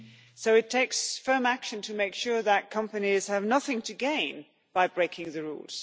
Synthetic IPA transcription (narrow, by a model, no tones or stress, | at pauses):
soʊɨtʰeɪksfɜ̃˞mækʃɨ̃ntʰɨmeɪkʃʊɹðət̚kʰʌ̃mpɨniz̥ɨvnʌθɪ̃ŋtʰɨɡẽɪ̃n | b̥aɪbɹeɪkʰɪ̃ŋðɨɹṵlˠz̥